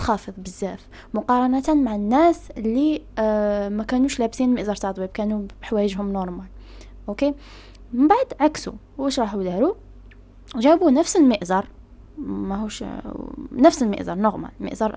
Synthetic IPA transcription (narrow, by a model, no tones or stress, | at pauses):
xɑfəðˤbəzːæf | mʊqɑɾˤɑnæt̪nmaʕanːæsəlːi | mækænuʃlæbsinlməʔzɑɾˤt̪ɑʕt̪ˤbib̚kænubħwæjəʒɦʊmnɔɾˤmal | ʔoke | məmbaʕd̪ʕaksṵ | wʔəʃɾˤɑħud̪æɾu | ʒæbunəfsəlməʔzɑɾˤ | mæɦuʃ | nəfsəlmə̰ʔzɑɾˤnoɣma̰lmə̰ʔzɑɾˤ